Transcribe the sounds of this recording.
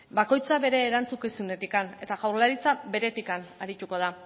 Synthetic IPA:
bako̞jt͡saβe̞ɾe̞ːɾant͡sukisune̞t̪ikane̞t̪aɣawɾlaɾit͡sabe̞ɾe̞t̪ikanaɾit̪uko̞ð̞a

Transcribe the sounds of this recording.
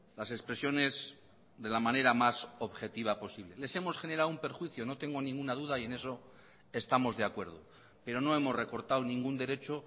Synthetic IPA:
lase̞spɾe̞sjo̞ne̞z | ðe̞lamane̞ɾamaso̞βxe̞t̪iβ̞apo̞siβle̞le̞se̞mo̞sχe̞ne̞ɾawumpe̞ɾxwiθjo̞no̞t̪e̞ŋɡo̞nĩŋɡunaðuðaie̞ne̞so̞ | e̞st̪amo̞zðe̞akwe̞ɾð̞o̞ | pe̞ɾo̞no̞e̞mo̞zre̞ko̞ɾt̪awnĩŋɡund̪e̞ɾe̞t͡ʃo̞

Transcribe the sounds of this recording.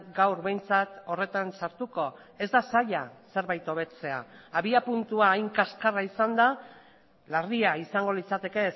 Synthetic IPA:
ɡawɾβe̞jnt͡sat̪o̞re̞t̪ansaɾt̪uko̞ | e̞zd̪asaʎase̞ɾβajt̪o̞βe̞t͡se̞a̰ːβiapunt̪uaːjŋkaskaraisand̪a | lariaisaŋɡo̞lit͡sat̪e̞ke̞s

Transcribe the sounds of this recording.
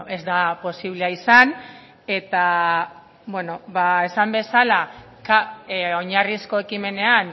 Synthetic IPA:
ʔe̞zd̪apo̞siβ̞leaisan | e̞t̪a | bwe̞no̞bae̞sambe̞sala | kao̞ɲarisko̞e̞kime̞ne̞an

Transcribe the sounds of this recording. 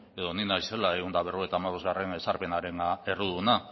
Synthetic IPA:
e̞ðo̞ninajse̞laeɣund̪aβe̞roet̪aːmaβ̞o̞zɣare̞nesaɾpe̞naɾe̞naeruðuuna

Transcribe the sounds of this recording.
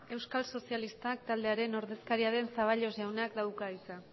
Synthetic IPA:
e̞wskalso̞sialist̪ak̚t̪ald̪e̞aɾe̞no̞ɾðe̞skaɾiaɾe̞nsaβ̞aʎo̞zʝawnakd̪awkait͡sa

